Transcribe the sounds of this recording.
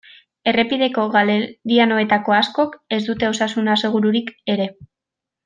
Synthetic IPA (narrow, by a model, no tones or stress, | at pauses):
e̞re̞piðe̞ko̞ɣaleɾiano̞e̞t̪ako̞asko̞ke̞zd̪ut̪e̞o̞sasunase̞ɣ̞uɾuɾike̞ɾe̞